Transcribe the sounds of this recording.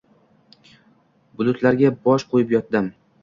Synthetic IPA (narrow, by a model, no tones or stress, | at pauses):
bʊlʊt̪ʰlaɾɡʲabɒʃqʰojɪpjɒt̪̚d̪ɪm